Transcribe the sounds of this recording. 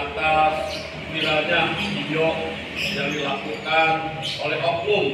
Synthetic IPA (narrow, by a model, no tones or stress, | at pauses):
t̪as | biɾad͡ʒaŋsdijɔʔ | jaŋdilakukanolɛɦɔkuŋ